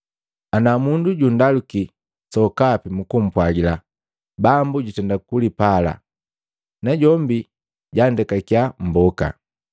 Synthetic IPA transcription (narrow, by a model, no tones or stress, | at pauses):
anamunduɟundaluki | sɔkapimukum̩pwaɡila | bambuɟutɛndakulipala̰ | naɟɔmbi | ɟandɛkakiam̩bɔka̰